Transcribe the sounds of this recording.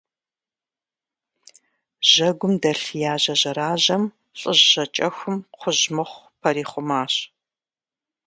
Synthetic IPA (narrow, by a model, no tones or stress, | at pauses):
ʒ̥ɐɡʷʊmdɐɬjaːʑɐʑɐɾaːʑɐm | ɕʼəʑːɐt͡ʃʼɐxʷʊmqʷʰʊʑmɨχʷpʰɐɾiːχʷʊmaːɕ